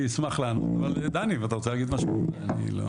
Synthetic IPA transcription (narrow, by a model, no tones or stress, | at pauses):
ismaχlaano̰t̪a̰vald̪aniveat̪aʁot͡selaɡid̪maʃmoanḭlo̰